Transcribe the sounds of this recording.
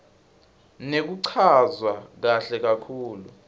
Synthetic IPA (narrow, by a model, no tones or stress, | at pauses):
nek̬uǀʰazwak̬aɬɛk̬akʰuːlu